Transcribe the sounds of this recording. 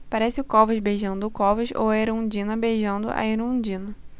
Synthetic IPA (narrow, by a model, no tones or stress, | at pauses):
paɾɛsɪʊkɔvɐʃbejʒɐ̃nd̪ʊʊkɔvɐʃo̰waeɾũd͡ʒĩnɐbejʒɐ̃nd̪ʊ̰ʔɐ̰eɾũd͡ʒĩnɐ